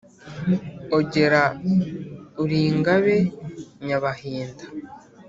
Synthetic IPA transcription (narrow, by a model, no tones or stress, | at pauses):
oɟe̞ɾa | uɾiːŋɡaβeɲaβahiːndḁ